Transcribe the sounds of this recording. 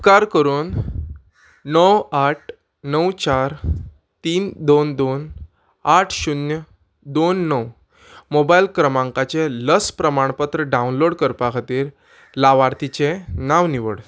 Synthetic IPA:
pkaɾkəɾuːn | nəwaʈ̚ʰ | nəwt͡ɕaɾ | t̪iːnd̪ond̪on | aʈʰɕunjə | d̪onːəw | mobailkɾəmãŋkat͡ɕeləspɾəmaɳ̃pat̪ɾəɖãunloɽkəɾpakʰat̪iːɾ | laʋaɾt̪it͡ɕenaʋniʋəɽ

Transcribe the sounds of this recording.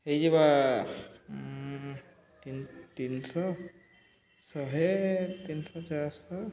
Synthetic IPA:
hejd͡ʒeba | t̪int̪insɔ | sɔɦet̪insɔt͡ʃaɾsɔ

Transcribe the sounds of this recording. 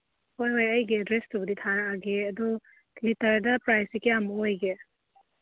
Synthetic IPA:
hojɦojɐjɡedɾestʰubɐditʰanɐaɡeɐdɔ | kʰlitɐɾdɐpɾajsikeamuojɡe

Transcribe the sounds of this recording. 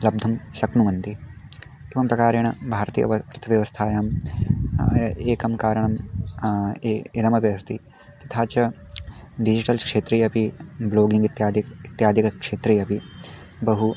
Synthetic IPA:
lɐb̚d̪ʱɐmsɐknuʋɐnt̪i | iʋɐmpɾɐkaːɾeːɳɐbʱaːɾt̪ḭːjɐ̰ɐɐɾt̪ʰɐʋjɐʋɐst̪ʰaːjaːm | eːkɐmkaːɾɐɳɐm | ilɐmɐpiɐst̪i | t̪i̥t̪ʰaːt͡ʃɐ | ɖid͡ʒiʈɐlkʂeːt̪ɾijɐpibloːɡiŋɡit̪jaːd̪iit̪jaːd̪ʱikɐkʂeːt̪ɾijɐpi | bɐɦu

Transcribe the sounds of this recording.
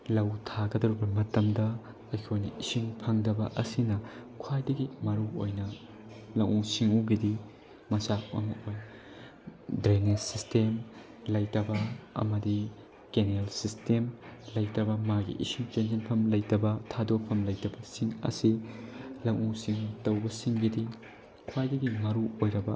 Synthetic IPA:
lɐwtʰaɡɐdɐɾubɐmɐtɐmdɐ | kɐjkʰojnɐisiŋpʰɐŋdɐbɐʔɐsinɐkʰwajdɐɡimɐɾuo̰jnɐ | lɐŋuŋsiŋuɡidi | mɐsamɐ̰mukoj | dɾenesistem | lɐjtɐbɐɐ̰mɐdi | kenlsistemlɐjtɐbɐmaɡḭʔḭsiŋt͡ʃend͡ʒenpʰɐmlɐjtɐbɐtʰadopʰɐmlɐjtɐbɐsiŋɐ̰silɐkusiŋutɐwbɐsiŋɡidi | kʰwajdɐɡimɐɾuojɾɐbɐ

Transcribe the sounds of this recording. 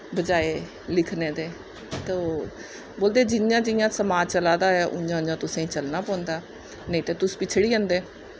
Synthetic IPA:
bəd͡ʒaːeː | lɪkʰnẽːd̪eː | t̪oː | boːld̪eːd͡ʒɪnjãːd͡ʒɪjãːsəmaːt͡ʃəlaːd̪aːɛːʔʊɲd͡ʒãːʊ̃ãːt̪ʊsẽːĩːt͡ʃəlnaːpɔ̃ːnd̪aː | nəĩːt̪eːt̪ʊspɪt͡ʃʰɽiːə̃nd̪eː

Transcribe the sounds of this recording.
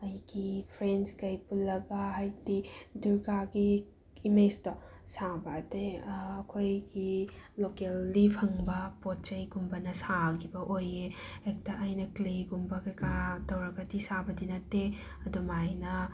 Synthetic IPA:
ɐjɡipʰɾenskɐjpulːɐɡɐɦajdiduɾɡaɡi | imed͡ʒto | sabɐteɐkʰojɡilokelːipʰɐŋbɐpot̚t͡ʃɐjɡumbɐnɐsakʰibɐʔojeek̚tɐʔɐjnɐkleɡumbɐkɐjkatɐwɾɐkɾɐtisabɐdinɐtːe | ɐdumajnɐ

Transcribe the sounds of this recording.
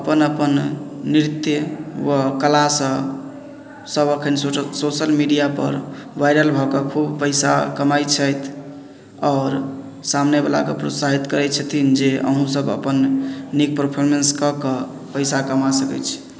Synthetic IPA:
əpənəpənːiɾit̪jəwəkəlasə̃ | səbəkʰənsosəlmiɖijapə̰ɾʋajɾəlbʱɔkekʰubpəjsa̰kəmajt͡ʃʰəjt̪ʰ | ɔʊɾ | samnebala̰kepɾo̰t̪saɦit̪kəɾɛt͡ʃʰət̪ʰind͡ʒeʔə̰ɦũsəbə̰pənːnik̚pəɾpʰoɾmenskəkə | pəjsakəmasəkɛ̰t͡ʃʰi̥

